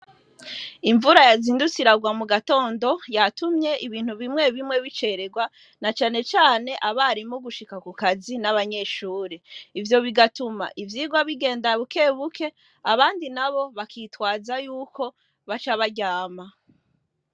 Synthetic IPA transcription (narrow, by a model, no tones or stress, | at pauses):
iɱvuɾajaziːndut͡siɾaɡwamuɡato̞ːndo̞jatumɲe̞ʔiβiːn̥uβimŋe̞βimŋe̞βit͡ʃe̞ɾe̞ɡwa | nat͡ʃaːne̞t͡ʃaːne̞ʔaβaɾimoɡuʃikakukazinaβaɲe̞ːʃuːɾiivjo̞βiɡatuma̰ʔivjiːɡwaβiɡe̞ːndaβuke̞ːβukʰe̞ | aβaːndinaβo̞βakʰitwaːzajuːkʰo̞ | βat͡ʃaβaɟaːma